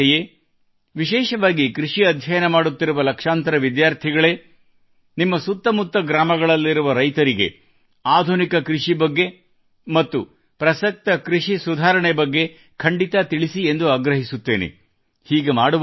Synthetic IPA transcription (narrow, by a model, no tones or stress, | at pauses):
je | ʋiʃɛːʃɐʋaːɡikɾiʂiɐd̪ʱjɐjɐnɐmaːɽut̪ːiɾuʋɐlɐkʂaːnt̪ɐɾɐʋid̪jaːɾt̪ʰiɡɐɭeː | nimːɐsut̪ːɐmut̪ːɐɡɾaːmɐɡɐɭɐlːiɾuʋɐɾɐjt̪ɐɾiɡe̞̰ | aːd̪ʱunikɐkɾuʂibɐɡːe̞ | mɐt̪ːu | pɾɐsɐk̚t̪ɐkɾiʂisud̪ʱaːɾɐɳɛbɐɡːe̞ | kʰɐɳɖit̪at̪iɭisiend̪uaːɡɾɐɦisut̪ːe̞ːnḛ | hiːɡe̞maːɽuʋ